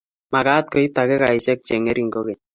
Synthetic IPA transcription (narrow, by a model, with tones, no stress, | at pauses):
ma˨ka˦t̪̚ko˨˦i˦takɛ˦ka˨i˨sɛ˦k̚t͡ʃɛ˨ŋe˦ɾi˦ŋɡo˦ke˨ɲ